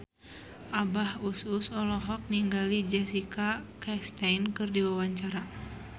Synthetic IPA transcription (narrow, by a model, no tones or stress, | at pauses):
ʔabahususɔlɔɦɔk̚niŋɡalid͡ʒɛsikakɛst̪ajnkɨrdiwawaɲt͡ʃaɾa